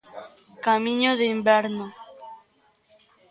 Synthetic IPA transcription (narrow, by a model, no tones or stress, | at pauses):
kamĩɲoðeimbeɾno